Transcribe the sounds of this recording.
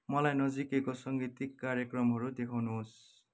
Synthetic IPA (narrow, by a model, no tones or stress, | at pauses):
mʌlajnʌd͡zikekosʌŋɡit̪ikːaɾjʌkrʌmɦʌɾud̪ekʰawnuɦos